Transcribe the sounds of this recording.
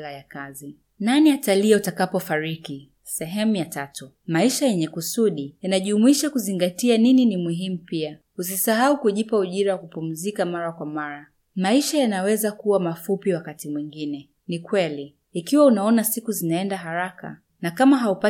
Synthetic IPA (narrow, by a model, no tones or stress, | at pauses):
lajakazi | naniataliautakapɔfaɾiki | sɛɦɛmujatatu | maiʃajɛɲɛkusuɗijanaʄmuiʃakuziŋɡatianininimuɦimupia | us̬isaɦaukuʄipauʄiɾawakupum̩zikamaɾakwamaɾa | maiʃajanawɛzakuwamafupiwakatimwiŋɡinɛ | nikwɛliː | kiwaunaɔnasikuzinaɛndaɦaɾaka̰ | nakamaɦaupa